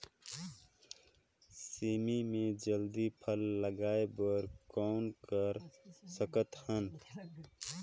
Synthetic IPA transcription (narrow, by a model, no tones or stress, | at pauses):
siːmimẽd͡ʒəld̪ipʰəlːəɡaːebəɾkɔːnkəɾsəkət̪hən